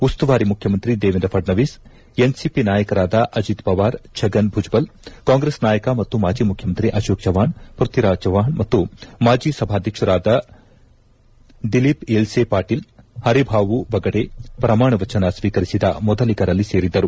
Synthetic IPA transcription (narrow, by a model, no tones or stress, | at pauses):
ust̪uʋaːɾimukʰjɐmɐnt̪ɾid̪eːʋind̪ɐpʰɐɖnɐʋiːs | ensipinaːjɐkɐɾaːd̪ɐʔɐd͡ʒit̪bɐʋaːɾt͡ʃʰɐɡɐnbʱud͡ʒbɐlkaːŋɡɾesnaːjɐkɐmɐt̪ːumaːd͡ʒiːmukʰjɐmɐnt̪ɾiʔɐʃoːk̚d͡ʒɐʋaːɳpɾut̪iɾaːd͡ʒɐʋaːɳmɐt̪ːumaːd͡ʒiːsɐbʱaːd̪ʱjɐkʂɐɾaːd̪ɐ | d̪ilipelsepaːɾʈiːlhɐɾibʱaːʋubɐɡɐɽepɾɐmaːɳɐʋɐt͡ʃɐnɐsʋiːkɐɾisid̪ɐ̰mɔd̪ɐlikɐɾɐlːise̞ːɾid̪ːɐɾu